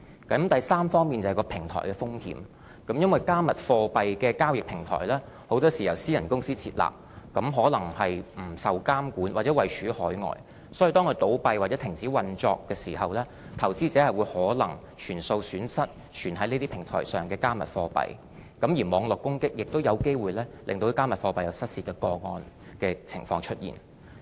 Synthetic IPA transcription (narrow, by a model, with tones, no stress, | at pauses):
kɐ˨˥mt̪ɐ˨jsaː˥mfɔː˥ŋmiː˨nt͡sɐ˨˩hɐ˨jkɔː˧pʰɪ˨˩ŋt̪ʰɔ̰ː˨˩jkɛː˧fʊ˥ŋhḭː˨˥m | kɐ˨˥mjɐ˥nwɐ˨jkaː˥mɐ˨t̚fɔː˧pɐ˨jkɛː˧kaː˥wjɪ˨k̚pʰɪ˨˩ŋt̪ʰɔ̰ː˨˩jlɛː˥ | ho˨˥wt̪ɔː˥siː˨˩jɐ˨˩wsiː˥jɐ˨˩nkʊ˥ŋsiː˥t͡sʰḭː˧t̚la̰ː˨p̚ | kɐ˨˥mɦɔː˨˥lɐ˨˩ŋhɐ˨jm̩˨˩sɐ˨wkaː˥mkuː˨˥nwaː˨t͡sɛː˨˧˥wɐ˨˩jt͡ʃʰyː˨˥hɔː˨˥jŋɔ̰ː˨j | sɔː˨˥ji˨˧t̪ɔː˥ŋkʰɵ˧t̪o˨˥wpɐ˨˧jwaː˨t̚t͡sɛː˨˥t̪ʰɪ˨˩ŋt͡siː˨˥wɐ˨nt͡sɔː˧kːɛː˧siː˨˩ɦɐ˨wlɛː˥ | t̪ʰɐ˨˩wt͡siː˥t͡sɛː˨˥hɐ˨jwu˨˧jhɔː˨˥lɐ̰˨˩ŋ | t͡ʃʰyː˨˩nso˧wsyː˨˥nsɐ˥t̚ | t͡ʃʰyː˨˩nɦɐ˨˥jneː˥t̪iː˥pʰɪ˨˩ŋt̪ʰɔ̰ː˨˩jsœː˨˩ŋkɛː˧kaː˥mɐ̰˨t̚fɔː˧pɐ̰˨j | kɐ˨˥mjiː˨˩mɔː˨˧ŋlɔ˨kːʊ˥ŋkɪ˥k̚jɪ˨k̚t̪o˥wjɐ˨˧wke˥jwuː˨jlɛː˥lɪ̰˨ŋt̪o˧kaː˥mɐ˨t̚fɔː˧pɐ˨jɐ˨˧wsɐ˥t̚siː˧t̚kɛː˧kɔː˧ŋɔː˧n | kɛː˧t͡sʰɪ̰˨˩ŋfɔː˧ŋt͡ʃʰɵ˥t̚jḭː˨˩n